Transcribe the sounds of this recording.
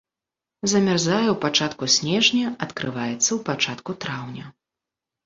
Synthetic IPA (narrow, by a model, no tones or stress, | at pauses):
zɐmʲarzajɛwpat͡ʂat̪kusʲnʲɛʐnʲɐɐt̪kɾɨvajɛt̪sːɐwpat͡ʂat̪kut̪ɾawnʲɐ